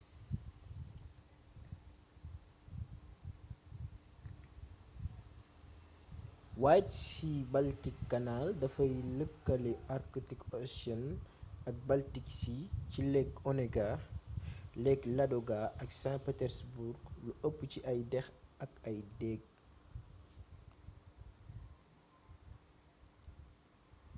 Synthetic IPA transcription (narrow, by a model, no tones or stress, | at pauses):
waːtsibɐltikːɐnaldɐfɐjləkːɐlɛʔaɾkutikɔsɔnɐk̚bɐltiksicilɛkɔnɛɡa | lɛklɐdɔɡaʔɐksãpɛtɛɾsbuɾɡluʔɐpːuciʔɐjdɛxɐkɐjdɛɡ̚